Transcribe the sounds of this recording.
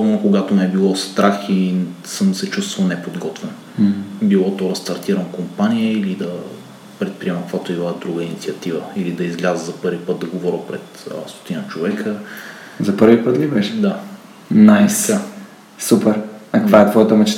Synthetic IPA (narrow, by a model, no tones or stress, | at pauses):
sɔvnokoɡat̪omɛbilˠɔst̪ɾʔaxisəmd̪sɛt͡ʃust̪vɐlˠnɛpod̪ɡɔt̪vɛn | bilˠɔt̪ɔɾɐst̪ɐɾt̪iɾəmkompaniəilid̪ɐ | pɾɛt̪̚pɾiɛmɐkvat̪oivad̪ɾuɡəinit̪siɐt̪ivəilid̪ɐizɡlʲazəzɐpɤɾvipɤt̪̚d̪ɐɡovɔɾʲəpɾɛt̪ə̰st̪o̥t̪inət͡ʃovɛkʰə | zɐpɤɾvipət̪libɛʃɛd̪a | najə | supɛɾɐk̪vaɛt̪vɔjət̪əmət͡ʃɛ̥